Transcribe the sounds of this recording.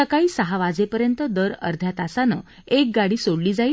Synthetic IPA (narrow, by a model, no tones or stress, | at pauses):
əkaiːsəɦaʋad͡zepəɾjənt̪əd̪əɾə̰ɾd̪ʱjat̪asanə̰ | ek̚ɡaɽiːsoɽliːd͡zai